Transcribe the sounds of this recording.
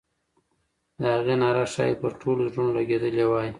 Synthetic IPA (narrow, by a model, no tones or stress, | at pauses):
d̪əhaɣenɑɾaʃɑ̰jepəɾʈʰoloʒonlaɡed̪əlewɑji